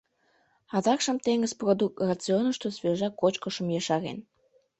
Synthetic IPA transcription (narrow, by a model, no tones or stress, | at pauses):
ɑd̪ɑkʃəmt̪eŋəzprod̪uk̚t̪rɑt͡sionəʃt̪osβeʒɑkot͡ɕkə̆ʃə̆mjɑʃɑɾḛn